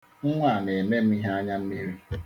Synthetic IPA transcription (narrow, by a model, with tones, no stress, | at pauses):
ŋ̩˦ŋʷa˦˨n˨e˨me˦m̩˦i˦ɦa˦a˦ɲa˦m̩˦mi˦ɾi˦